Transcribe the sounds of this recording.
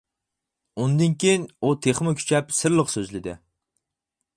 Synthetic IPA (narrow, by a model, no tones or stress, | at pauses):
und̪ɪnkʲejinut̪ʰeχmʊkʲʰy̥t͡ʃʰɛpsɨɾlˠəqsøzlɪd̪ɪ̰